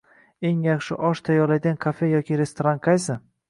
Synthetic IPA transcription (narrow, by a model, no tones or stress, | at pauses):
e̞ŋjaχʃɪ̰ʔɒʃt̪ʰajɒɾlaj̪ʲankʰafe̞jɒkʲɪɾe̞st̪ʰoɾanqʰajsɪ